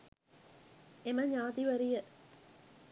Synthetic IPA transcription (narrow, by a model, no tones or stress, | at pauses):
eməɲaːt̪iʋæɾijə